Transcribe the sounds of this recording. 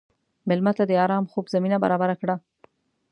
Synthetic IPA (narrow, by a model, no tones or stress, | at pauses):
mɪlmat̪ad̪əɑɾɑmxobzaminaba̰ɾɑbaɾakɽa